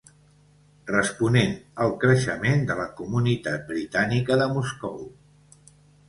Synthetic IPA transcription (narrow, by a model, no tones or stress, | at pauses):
rəspunenəlˠkɾəʃəmend̪ələkumunit̪at̪̚bɾit̪anikəðəmuskɔw